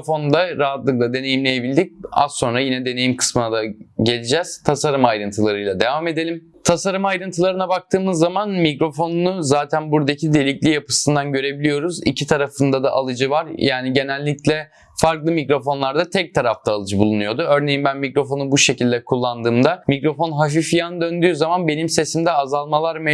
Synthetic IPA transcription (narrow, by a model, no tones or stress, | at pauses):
fo̞nd̪aɾaɦat̪lˠɯklˠad̪e̞ne̞jimlʲe̞jebilʲd̪ic̚a̰ssːo̞nɾajinɛd̪enejimkʰɯ̥smɯnad̪aɟe̞lʲid͡ʒɛz̥t̪ʰasaɾɯmajɾɯnt̪ʰɯlˠaɾɯjlˠad̪e̞vaːme̞d̪e̞lʲim | t̪ʰasaɾɯmajɾɯnt̪ʰɯlˠaɾɯnabak̚t̪ʰɯːmɯzːamanmikɾo̞fo̞nnuzaːt̪ʰænbuɾd̪acʰid̪e̞lʲiclʲijapɯ̥sɯnd̪anɟø̞ɾe̞bilʲijo̞ɾuzḭcʰit̪ʰaɾafɯnd̪ad̪aʔalˠɯd͡ʒɯvaɾjaːniɟe̞nælʲːiclʲɛ | faɾklˠɯmikɾo̞fo̞nlˠaɾd̪at̪ʰɛc̚t̪ʰaɾaft̪ʰaːlˠɯd͡ʒɯbulˠunujo̞d̪uø̞ɾne̞jimbænmikɾo̞fo̞nubuʃe̞cʰilʲd̪ɛkʰulˠːand̪ɯːmd̪amikɾo̞fo̞nɦaf̬ifijanɯd̪ø̞nd̪yːzamanbe̞nimse̞simd̪ɛazalˠmalˠaɾme